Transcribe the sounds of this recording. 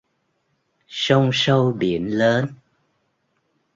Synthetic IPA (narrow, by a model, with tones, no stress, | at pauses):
sə˧wŋ͡msə˧wɓi˧˩˨ənləː˨˦n